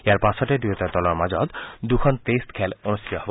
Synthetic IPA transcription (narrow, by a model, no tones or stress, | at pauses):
eaɾpasʰɔʈed̪ijot̪at̪ɔlɔɾmad͡ʑɔd̪d̪ukʰɔntesʈkʰɛlonustʰit̪ɔɦbo